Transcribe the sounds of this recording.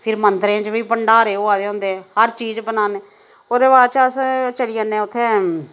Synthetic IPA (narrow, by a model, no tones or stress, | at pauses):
pʰɪɾmənt̪ɾẽːt͡ʃbiːpəɳɖaːɾeːoːaːd̪eːɦʊ̃nd̪eːɛːhəɾt͡ʃiːd͡ʒbənaːneː | oːd̪eːbaːɾt͡ʃəst͡ʃəɽiːãnːẽːʊt̪ʰːeː